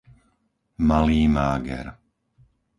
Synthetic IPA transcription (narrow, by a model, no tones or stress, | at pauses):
maliːmaːɡɛ̰ɾ